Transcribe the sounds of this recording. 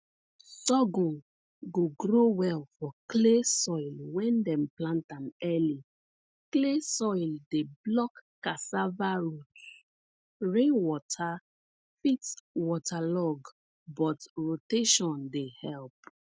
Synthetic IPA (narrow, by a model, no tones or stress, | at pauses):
sɔɡɔ̃n | ɡoɡɾowɛlfɔklesɔɪlwɛ̃ndɛ̃mplãntãmɛli | klesɔjldeblɔkːasavaɹut | ɹẽwɔtʰa | fitwɔtʰalɔɡ | bɔtɹoteʃɔ̃ndehɛlp